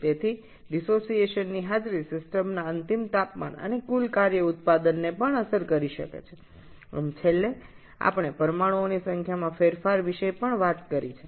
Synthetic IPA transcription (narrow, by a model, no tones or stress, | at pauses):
t̪et̪ʰi | ɖisosieʃənːiɦad͡ʒɾisɪsʈəmnaənt̪imt̪apma̰nə̰nekulkaɾjəʊt̪̚pad̪ənːepəɳəsəɾkəɾiʃə̰kḛt͡ʃʰe | ə̰mt͡ʃʰelːe | a̰pɳ̃epəɾəmaɽuonisəŋkʰjamãfeɾfaɾʋiʃepəɳʋat̪kəɾit͡ʃʰe